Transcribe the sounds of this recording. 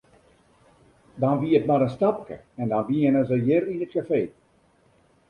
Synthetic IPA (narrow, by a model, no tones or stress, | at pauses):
dɑnʋiətmɔɾənstɑpkə̰ɛndɑnʋiːənəzəjɪrinət̚kafeː